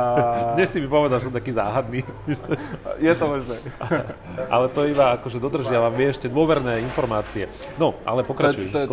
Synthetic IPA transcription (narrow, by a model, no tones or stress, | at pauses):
ɲɛsimipɔʋɛd̪aʒɛsɔmt̪akiːzaːɦad̪niːʒɛjɛt̪ɔmɔʒnɛ | ʔa̰lɛt̪ɔibaakɔʒɛd̪ɔd̪r̩ʒɪaʋamʋjɛɛʃcɛd̪ʊɔʋɛɾnɛːinfɔɾmaːt͡siɛ | nɔʔa̰lɛpɔkɾat͡ʃujɛ